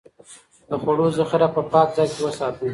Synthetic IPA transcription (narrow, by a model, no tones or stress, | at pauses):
d̪əxwaɽozəxɪɾapəpɑk̚zɑjkewəsɑt̪u